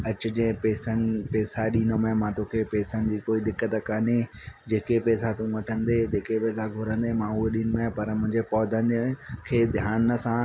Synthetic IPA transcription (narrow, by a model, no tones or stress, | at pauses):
ɐt͡ɕʊ̆d͡ʑẽːpeːsənɪ̆peːsaɗiːnomẽmãːt̪oːkʰepeːsənɪ̆d͡ʑiːkoːid̪ɪkːət̪kaːne | d͡ʑeːkepeːsat̪ũʋɐʈʰə̃nd̪ed͡ʑeːkepeːsaɡʱʊɾə̃n̆d̪emãːʊɦeɗiːnmẽpɐɾmʊ̃ɦɪ̃ɲd͡ʑepɔːd̪ʱənkʰeːd̪ʱjaːnsã